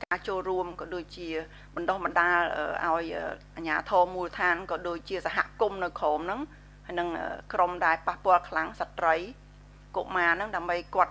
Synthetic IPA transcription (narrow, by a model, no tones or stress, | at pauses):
kaːt͡ɕoːlruəmkɑːɗoːc̚t͡ɕiə | ɓɑnɗohmɑnɗaːlʔə̰ːʔa̰ɔjʔəːʔaɲaːt̪ʰɔːmuːlət̪ʰaːnkɑːɗoːc̚t͡ɕiəsaɦa̰ʔkumnɨwkʰɔːmnɨŋ | hajnɨŋʔə̰ːkromɗaɛlpahpŏəlkʰlaŋsat̪rəj | ko̰ʔmaːnɨŋɗaəmɓəjkŏət̪̚